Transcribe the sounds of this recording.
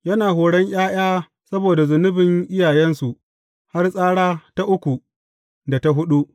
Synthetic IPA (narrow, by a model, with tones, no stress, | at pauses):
jɐ˦naː˨ɦoː˨ɽɐ˦ɲʔʲʼaː˦j̰aː˦ | sɐ˦boː˨da˨zʊ˨nʊ˦bɪ˨ŋʔɪ˦jaː˨jɛ˦nsu˨ʔ | ha˦rsʼaː˦ɽaː˦ta˦ʔʊ˦kʷu˨ | da˨ta˦ɦʊ˦ɗu˦ʔ